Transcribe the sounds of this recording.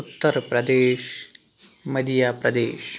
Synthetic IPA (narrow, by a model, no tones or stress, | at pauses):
ut̪ːɐɾpɾɐd̪eːʃ | mɐd̪ijaːpɾɐd̪eːʃ